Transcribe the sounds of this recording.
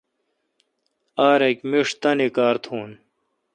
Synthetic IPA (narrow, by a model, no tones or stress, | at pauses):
aːɾekmiʂt̪ɐnikaːɾt̪ʰuːn